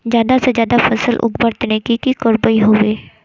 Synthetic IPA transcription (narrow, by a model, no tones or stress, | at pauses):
d͡ʒjaːd̪ased͡ʒjaːd̪afɐsəlʔʊ̰ɡbəɾt̪nekikikoɾbəiɦoːʋeː